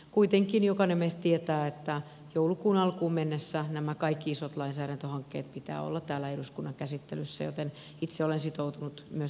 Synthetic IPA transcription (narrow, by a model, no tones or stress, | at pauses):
kuit̪eŋkinjokɑnemest̪t̪iet̪æːet̪ːæ | joulukuːnɑlkuːmmenːesːænæmækɑikːiisot̪lɑinsæːɾænt̪øhɑŋkːḛːt̪̚pit̪æ̰ːo̰lːɑt̪t̪æːlːæeduskunːɑŋkæsit̪ːelysːæ̰jo̰t̪en | it̪seolensit̪out̪unut̪myø